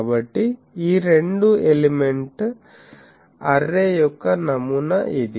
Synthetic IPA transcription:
bɐʈːi | iːɾeɳɖuelimeɳʈ | ɐɾːejɔkːɐnɐmunɐʔid̪i

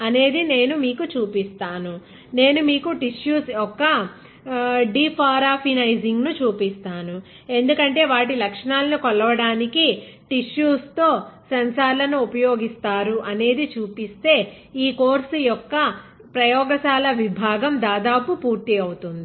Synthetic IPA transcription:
ɐne̞ːd̪ine̞ːnumiːkut͡ʃuːpist̪aːnu | ne̞ːnumiːkuʈiʃjuːsjɔkːɐ | ɖiːpʰaːɾaːpʰinɐjziŋɡnut͡ʃuːpist̪aːnu | e̞nd̪ukɐɳʈe̞ːʋaːʈ̬ilɐkʂɐɳaːlɐnikɔlɐʋɐɽaːniki | ʈiʂjuːst̪o̞ːsɐnsaːɾlɐnuupɐjoːɡist̪aːɾuʔɐne̞ːd̪it͡ʃuːpist̪e̞ː | iːkoːɾsujɔkːɐ | pɾɐjɔːɡɐsaːlɐʋibʱaːɡɐmd̪aːd̪aːpupuːɾt̪iɐwut̪und̪i

